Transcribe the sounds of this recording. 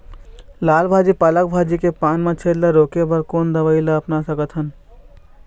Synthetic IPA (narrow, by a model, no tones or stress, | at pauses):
laːlbʱad͡ʒipalək̚bʱad͡ʒikepaːnmẽt͡ʃʰeɾləɾoːkebəɾkoːnd̪əʋəɪlaəpnasəkət̪ɦən